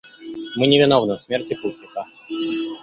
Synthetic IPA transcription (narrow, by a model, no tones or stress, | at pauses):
mɨnʲɪvʲɪnovnɨsmʲertʲɪput̪ʲnʲɪkə